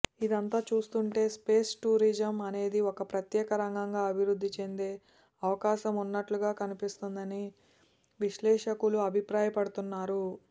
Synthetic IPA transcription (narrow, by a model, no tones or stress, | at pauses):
id̪ɐnt̪aːt͡ʃuːst̪uɳʈe̞ːspe̞ːsʈuːɾid͡ʒɐmɐne̞ːd̪iɔkɐpɾɐt̪jɛːkɐɾɐŋɡɐŋɡaːɐbʱiɾud̪ʱːit͡ʃe̞nd̪e̞ː | ɐʋɐkaːʃɐmunːɐʈluɡaːkɐnipist̪und̪ɐni | ʋiʃlɛːʂɐkuluɐbʱipɾaːjɐpɐɽut̪unːaːɾu